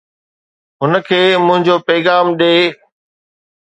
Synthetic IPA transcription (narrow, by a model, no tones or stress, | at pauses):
ɦʊnəkʰeːmʊ̃ɦɪ̃ɲd͡ʑoːpɐɪɣaːmɗeː